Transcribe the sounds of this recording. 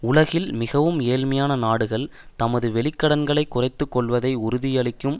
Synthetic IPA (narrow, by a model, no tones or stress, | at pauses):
ʊɭɐɣɪlmɪɣɐʋɯmeːlmɐjaːnɐnaːɽɯɣɐɭ | t̪ɐmɐðɯʋɛɭɪkːɐɽɐnɡɐɭɐɪkːʊrɐɪt̪ːɯkːɔɭʋɐðɐɪʊɾʊðɪjɐɭɪkːɯm